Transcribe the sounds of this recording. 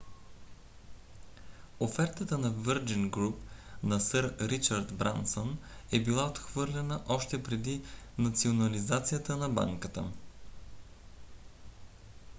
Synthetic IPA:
ofɛɾt̪ət̪ənɐvəɾd͡ʒiŋɡɾupnɐsəɾɾit͡ʃəɾt̪bɾa̰nsonɛbilˠaot̪xvɤɾlʲɛnəʔɔʃt̪ɛpɾɛd̪inɐt̪sionɐlizat̪sijət̪ənɐba̰ŋkət̪ə̰

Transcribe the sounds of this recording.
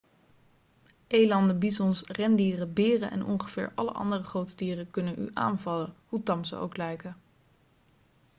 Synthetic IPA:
ʔejlɑndəbizɔnsrɛndiːrəbɪːrəʔɛ̰nɔ̰ŋχəv̥ɪːɹʔɑ̰lə̰ʔɑ̰ndərəχrowtədiːrəkɵnənʔy̰ʔa̰ːnvɑləhutɑmzə̰o̰wklɛjkə

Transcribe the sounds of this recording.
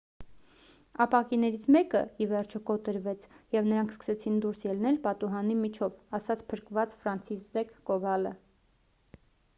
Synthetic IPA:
ɑpɑkinɛɾit͡sʰmɛkə̰ivɛɾt͡ʃʰɔkɔt̪əɾvɛt͡sʰjɛvnəɾɑŋkʰskə̥sɛt͡sʰind̪uɾsjɛlnɛlpɑt̪uɦɑnimit͡ʃʰɔvɑsɑt͡sʰpʰəɾkvɑt͡sfɾɑnt͡sʰizɛkːɔvɑlə

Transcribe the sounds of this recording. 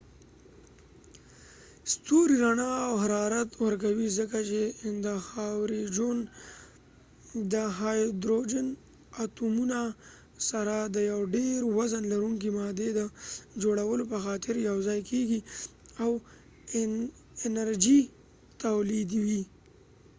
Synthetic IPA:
st̪oɾiɾaɳaːwhaɾɑɾat̪wəɾk̬awizəkat͡ʃend̪əxawɾid͡ʒon | d̪əɦɑjd̪ɾod͡ʒən | at̪umuna | saɾad̪əjawɖeɾwazanlaɾuŋk̬imɑd̪ed̪əd͡ʒoɽawəlopəxɑt̪ɪɾjawzɑjkʰeɡiaw | ɪnaɾd͡ʒi | t̪awlid̪wi

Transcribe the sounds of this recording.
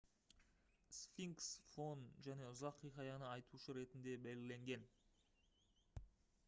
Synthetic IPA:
sfiŋksfo̞nʒæne̞ʊzɑqʰːijqɑjɑnəɑjt̪uʃəɾe̞t̪ɪnd̪e̞bælɪle̞ŋɡʲe̞n

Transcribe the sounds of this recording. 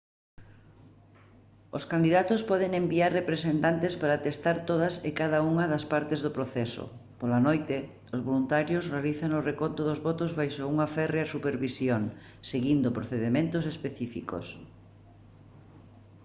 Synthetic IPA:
o̰skand̪iðat̪ʊspɔðeŋembiaɾrepɾesent̪ant̪espaɾaːt̪est̪aɾt̪oð̞ɐsɪkaðɐuŋɐðɐspaɾt̪ezðopɾoθɛso̰ | polɐnojt̪ɪ | ozβolunt̪aɾjosrealiθaŋorekont̪oðozβɔt̪ozβajʃouŋɐfɛreasupeɾβisjoŋ | seɣind̪opɾoθeðemẽnt̪osespeθifḭko̰s

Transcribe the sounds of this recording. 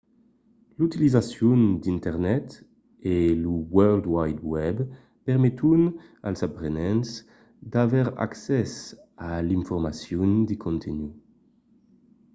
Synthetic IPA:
lut̪ilizasjund̪int̪ɛʁnɛt̪ | eluwœld̪wajd̪wɛb | pɛʁmet̪un | a̰lzapʁenɛ̃ns | d̪avɛʁa̰ksɛs | aliɱfɔʁmasjund̪ikʰɔ̃nt̪ʰenu

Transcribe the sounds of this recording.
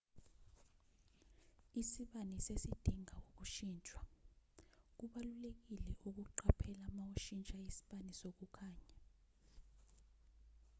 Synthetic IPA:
isiɓanisesid̥ʱiŋawok̬uʃiːnt͡ʃʼwa | k̬uɓalulek̬ilɛʔuk̬uǃapʰɛlamawuʃint͡ʃʼaisi̥ɓanisok̬ukʰaːɲa

